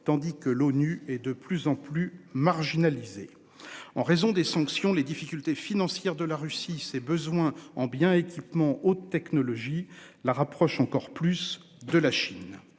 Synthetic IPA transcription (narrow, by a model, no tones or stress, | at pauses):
t̪ɑ̃d̪ikəlonyɛd̪əplyzɑ̃plymaʁʒinalize | ɑ̃ʁezɔ̃d̪esɑ̃ksjɔ̃led̪ifikʲylt̪efinɑ̃sjɛʁd̪əlaʁysisɛbəzwɛ̃ɑ̃bjɛ̃ekʲipmɑ̃ot̪ːɛknɔlɔʒilaʁapχɔʃɑ̃kɔʁplys | d̪əlaʃin